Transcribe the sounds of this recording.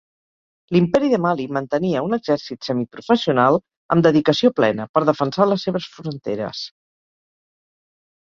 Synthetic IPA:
limpɛɾiðəmalimənt̪əniəunəɡz̥ɛɾsit̪sɛmipɾufəsiunalˠ | əmd̪əðikəsioplɛnəpəɾðəfənsaləsːeβ̞əsfɾunt̪ḛɾə̰s

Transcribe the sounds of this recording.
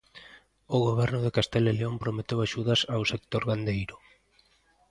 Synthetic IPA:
oɣoβ̞ɛɾnʊð̞ekast̪eleleompɾomet̪ewaʃuð̞asawsek̚t̪oɾɣand̪ejɾʊ

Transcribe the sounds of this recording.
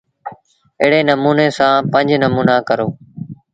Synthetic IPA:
ɪːɽeːnəmuːneːsãːpə̃ɲd͡ʒnəmuːnaːkəɾoː

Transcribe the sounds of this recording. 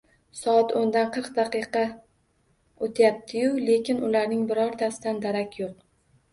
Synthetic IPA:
sɒat̪ʰond̪anqʰɨɾqd̪aqɨqɑ | ot̪ʰajap̚t̪ʰɪjʊle̞kʲɪnʔʊlaɾnɪŋbɪɾɒɾt̪ʰasɪd̪and̪aɾakʲʰjoq

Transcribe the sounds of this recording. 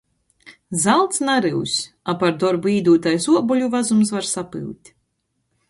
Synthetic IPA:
zalˠt̪snaɾɨwsʲ | apaɾd̪ɔɾbuiːd̪uːt̪ajsuɔbɔlʲuvazums̬vaɾsapɨ̰wt̪ʲ

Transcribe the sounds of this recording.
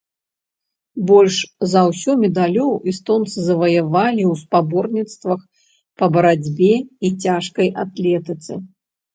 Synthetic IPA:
bɔlʲʂzawsʲɔmʲɛd̪alʲɔwist̪ɔnt̪sɨzɐvɐjavalʲiwspabɔrnʲit̪st̪vɐx | pɐbɐɾad͡zʲbʲɛit͡sʲaʂkɐjʔat̪lʲɛt̪ɨt̪sɨ

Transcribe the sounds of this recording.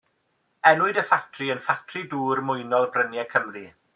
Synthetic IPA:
ɛnʊɨdəfatʰriənfatʰriduːrmʊjnɔlˠbrənjɛkʰəmri

